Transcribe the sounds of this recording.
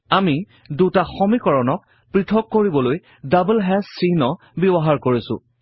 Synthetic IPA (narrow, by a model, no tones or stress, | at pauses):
ami | dutaxɔmikɔɹɔnɔk̚ | pɹitʰɔkːoɹibɔloj | dablɦɛsinɔ | bibɔɦaɹkoɹisʊ̰̃